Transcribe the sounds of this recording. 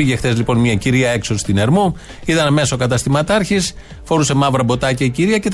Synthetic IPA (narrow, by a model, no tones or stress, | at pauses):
iʝe̞xt̪e̞zlipo̞nmɲɐciɾiɐe̞ksost̪ine̞ɾmu | iðɐnɐme̞so̞kɐt̪ɐst̪imɐt̪ɐɾçis | fo̞ɾuse̞mɐvɾɐbo̞t̪ɐcɐiciɾiɐcet̪